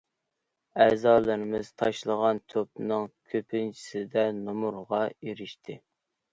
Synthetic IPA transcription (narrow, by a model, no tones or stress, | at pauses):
æzɑːlˠɨɾɪmɪz̥t̪ʰɑʃlˠəʁɑnt̪ʰop̚nɨŋkʲʰøpʰɪnt͡ʃʰi̥sɪd̪ɛnomuɾʁɑeɾɪʃt̪ʰɪ